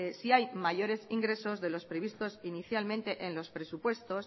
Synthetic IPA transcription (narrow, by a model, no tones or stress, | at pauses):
siajmaʝo̞ɾe̞siŋɡɾe̞so̞zðe̞lo̞spɾe̞β̞ist̪o̞siniθjalmẽnt̪e̞ʔenlo̞spɾe̞supwe̞st̪o̞s